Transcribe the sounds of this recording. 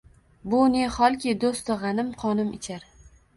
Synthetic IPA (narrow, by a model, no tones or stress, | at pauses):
bʊneχɒlˠkʲid̪ost̪ɨʁɑnɪmqʰɒnɪmɪt͡ʃʰaɾ